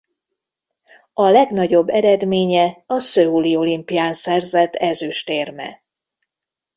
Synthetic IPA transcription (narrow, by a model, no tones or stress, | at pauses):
ɒlɛɡnɒɟo̞bːɛɾɛd̪meːɲɛɒsøulio̞limpijaːnsɛrzɛt̪ʰːɛzyʃt̪eːrmɛ̰